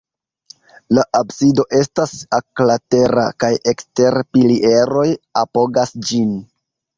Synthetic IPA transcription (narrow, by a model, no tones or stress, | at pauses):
laʔabsido̞ʔe̞stasaklate̞ɾa̰kaje̞kste̞ɾpiliʔe̞ɾo̞japo̞ɡasd͡ʒin